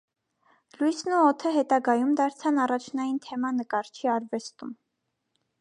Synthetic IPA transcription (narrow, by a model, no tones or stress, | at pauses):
lujsnuɔt̪ʰəɦɛt̪ɑɡɑjumd̪ɑɾt͡sʰɑnɑrɑt͡ʃʰnɑjint̪ʰɛmɑnəkɑɾt͡ʃʰiɑɾvɛst̪um